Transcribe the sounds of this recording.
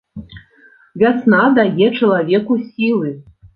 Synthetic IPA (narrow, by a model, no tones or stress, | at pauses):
vʲasnad̪ajʲeʈ͡ʂɐlˠavʲekusʲilˠɨ